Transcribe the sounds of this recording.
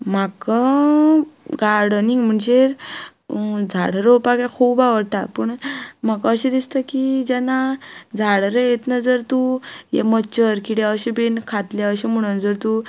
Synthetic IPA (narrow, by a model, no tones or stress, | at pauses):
makə | ɡaɾɽəniŋɡm̤əɳd͡ʑeɾ | d͡zʱaɽɾopaɡãkʰuːbaʋəɽʈ̪apəɳmakaəɕed̪ist̪əkid͡ʑanad͡zʱaɽɾəjet̪nəd͡zəɾt̪ujḛmət͡ɕəɾkiɽjeəɕebenkʰat̪laəɕem̤əɽ̃ənd͡zəɾt̪u